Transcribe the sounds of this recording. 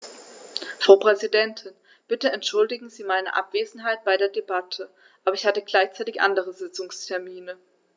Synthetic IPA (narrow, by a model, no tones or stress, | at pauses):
fʁ̥aʊpʁ̥ɛzidɛntʰɪn | b̥ɪtəɛntʃʊldɪɡŋ̩ziːmaɪnə̰ʔa̰pv̥eːzn̩ɦaɪt̚b̥aɪɾeːɐdebatʰə | ʔaːbɐɪçhatəɡlaɪçt͡saɪtɪçʔa̰ndəʁəzɪt͡sʊŋstʰɛɐmiːnə